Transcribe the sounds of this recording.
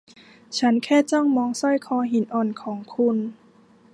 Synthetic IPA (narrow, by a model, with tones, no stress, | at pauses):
t͡ɕʰa˦˥nkʰɛː˥˩t͡ɕɔ˥˩ŋmɔː˧ŋsɔ˥˩jkʰɔː˧ɦi˩˦nʔɔː˧˩nkʰɔː˩˦ŋkʰu˧n